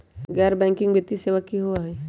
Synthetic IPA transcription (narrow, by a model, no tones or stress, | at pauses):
ɡɛːɾbɛ̃ŋkɪ̃ŋbet̪ːiseʋakːiɦuaɦɛ